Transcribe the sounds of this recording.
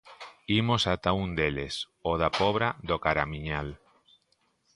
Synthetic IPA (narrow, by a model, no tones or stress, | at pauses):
imosat̪aund̪eles | oðapɔβɾaðokaɾamiɲal